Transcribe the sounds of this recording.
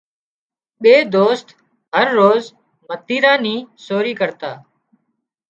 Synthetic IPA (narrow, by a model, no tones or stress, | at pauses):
ɓeːd̪oːst̪ | ɦəɾːoːz | mət̪iːɾãːniːsoːɾiːkəɾt̪aː